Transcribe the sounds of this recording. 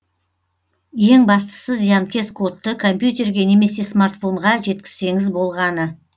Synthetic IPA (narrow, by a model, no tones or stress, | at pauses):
je̞ŋbɑst̪ə̥səzjɑnkʲe̞skʰo̞t̪ːəkʰo̞mpjut̪̬ʲe̞rɡʲe̞ne̞me̞se̞smart̪fo̞ɴʁɑʒe̞t̪̚kʲɪz̥se̞ŋɪzbo̞lˠʁɑnə